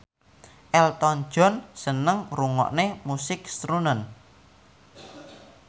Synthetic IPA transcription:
ʔɛlt̪ɔn̥ʒ̥ɔ̤nsənəŋruŋɔ̰ʔnemusɪkst̪ɾunən

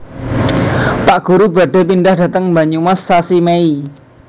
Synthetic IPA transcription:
paʔɡ̥ṳɾuba̤ɖ̥a̤pinɖahɖä̤t̪əŋmbaɲumasːasimei

